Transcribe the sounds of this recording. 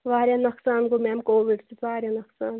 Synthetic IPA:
ʋaːɾjanɐksaːnkomɛːmkoːʋiɖsit̪ʋaːɾʲjɐnɐksaːn

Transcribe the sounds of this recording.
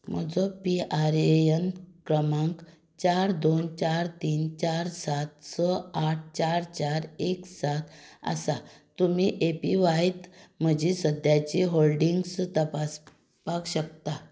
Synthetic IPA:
m̤əd͡zɔpiaɾeənkɾəmãŋk | t͡ɕaɾd̪ont͡ɕaɾt̪iːnt͡ɕaɾsat̪sɔaʈ̚ʰt͡ɕaɾt͡ɕaɾeksat̪a̰sat̪um̤iʔepiʋajt̪m̤əd͡ʑisəd̪jat͡ɕiɦolɖiŋɡst̪əpas | pakɕək̚t̪a

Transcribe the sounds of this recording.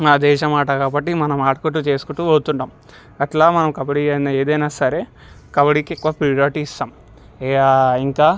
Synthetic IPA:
maːd̪ɛːʃɐmaːʈɐkaːbɐʈ̬ːimɐnɐmaːʈɐkoʈ̬ːut͡ʃe̞ːsu̥kuʈːuoːt̪uɳʈaːm | ɐʈlaːmɐnɐmkɐbɐɽiɐnaeːd̪ɐjnaːsɐɾe̞ː | kɐbɐɽikikːuʋaːpɾiaːʈiːst̪aːmː | aiŋkaː

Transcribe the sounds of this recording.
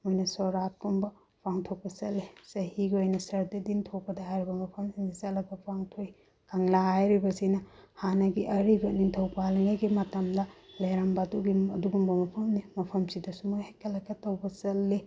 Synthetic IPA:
mojnɐsoɾat̚kumbɐ | pʰaŋtʰok̚pɐsɐlːesɐhiɡiojnɐsɐɾdɐdintʰowpɐdɐɦajɾibɐmɐpʰɐmsindɐzɐlɐbɐpʰaŋtʰoj | kʰaŋlaɦajɾibɐsinɐhanɐɡiʔɐɾibɐnintʰɐwpaliŋajɡimɐtɐmdɐlɐjɾambaduɡiɐduɡumbɐmɐpʰɐmnimɐpʰɐmsidɐsumojhajkʰɐlɐkːɐtɐwbɐsɐlːe

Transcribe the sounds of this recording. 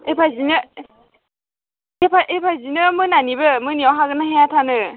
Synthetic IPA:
epʰazinɯ | epʰaʔepʰazinɯmɯnanibɯmɯniawɦaɡɯnaɦɛjatʰanɯ

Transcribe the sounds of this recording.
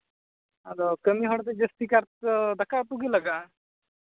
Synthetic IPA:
ad̪ɔkəmiɦɔɽt̪̬ed͡ʑəst̪ikaɾt̪əd̪akapuɡilaka

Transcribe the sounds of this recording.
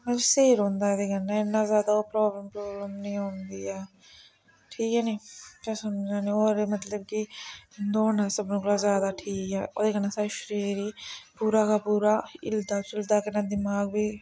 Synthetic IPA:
mɛseːɾɦõːnd̪ad̪eːkɐnːãɪnːaːzjaːd̪aoːpɾoːbləmpɾoːbləmnĩõːnd̪iɛː | ʈʰiːkɛniːkɛsɐmd͡ʒaːnĩoːɾmɐt̪ləbkid̪oːnasɐbnõːklazjaːd̪aːʈʰiːkɛːo̰ːd̪eːkɐnːãːsaːɾʃəɾiːɾiːpuːɾaːkapuːɾaːɪld̪aːsɪld̪aːkɐnad̪ɪmaːɡ̚bʱiː

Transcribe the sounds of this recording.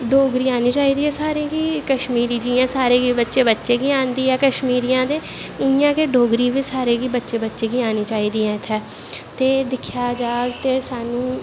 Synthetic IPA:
ɖʱoːɡɾiːaːniːt͡ʃaːiːd̪iːɦɛːsaːɾẽːɡiːkəʃmiːɾiːd͡ʒiːãːsaːɾeːɡiːbətːʃeːbətːʃeːɡiːaːnd̪iːɛːkəʃmiːɾiːãːd̪eː | ʊnɪjãːkeːɖoːɡɾiːʋiːsaːɾeːɡiːbətːʃeːbətːʃeːɡiːaːniːt͡ʃaːiːd̪iːɛ̃ːɪt̪ʰːɛː | t̪eːd̪ɪkʰjaːd͡ʒaːɡt̪eːsaːnũː

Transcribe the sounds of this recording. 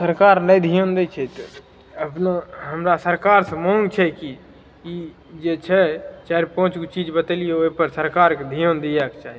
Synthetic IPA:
səɾkaːɾnəid̪ʱijond̪et͡ʃʰɛt̪ | əpnoɦəmɾasəɾkaːɾsə̃mõŋɡt͡ʃʰɛki | i | d͡ʒet͡ʃʰɛt͡ʃaɾipõːt͡ʃkot͡ʃid͡ʒbət̪elijooipəɾsəɾkaːɾked̪ʱijond̪iakt͡ʃaːɦi

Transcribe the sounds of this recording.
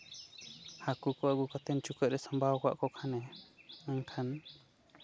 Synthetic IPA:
hakukɔaɡukat̪ɛnt͡ʃukəʔɾɛsambʱawkɔa̰ʔkɔkʰanɛəŋkʰan

